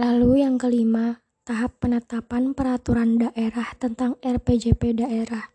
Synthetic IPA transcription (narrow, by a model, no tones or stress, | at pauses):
lalujaŋkəlima | t̪aɦapːənət̪apanpəɾat̪uɾandaʔeɾaht̪ənt̪aŋɛrped͡ʒepedaʔeɾah